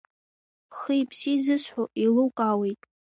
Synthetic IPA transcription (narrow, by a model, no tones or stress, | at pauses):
χɨjpʰsizɨsħʷoʔilukʼawijtʼ